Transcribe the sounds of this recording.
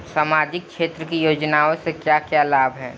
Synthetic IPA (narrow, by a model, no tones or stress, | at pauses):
saːmaːd͡ʒɪk̚kʃeːt̪ɾəkijoːd͡ʒnaːõsekjakjaːlaːbʱɦɛː